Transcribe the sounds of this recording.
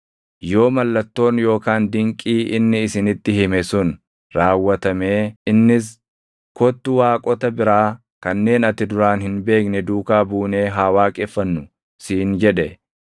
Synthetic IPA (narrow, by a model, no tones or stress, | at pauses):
jo̞ːmɐlːɐt̪ːo̞ːnjo̞ːkaːnd̪ɪŋkʼiːʔɪnːɪːsɪnɪt̪ːɪhɪmɛsʊn | ɾaːwːɐt̪ɐmeːɪnːɪs̬ | kɔt̪ːʊwaːkʼɔt̪ɐbɪɾaː | kɐnːe̞ːnɐt̪ːɪd̪ʊɾaːnhɪnbe̞ːknɛd̪uːkaːbuːne̞ːɦaːwaːkʼɛfːɐnːʊ | siːnd͡ʒɛᶑɛ